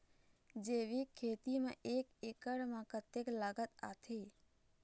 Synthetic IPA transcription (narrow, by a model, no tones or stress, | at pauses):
d͡ʒeʋikʰːeːt̪imãʔeːkekəɽmãkət̪eklaːɡət̪at̪ʰi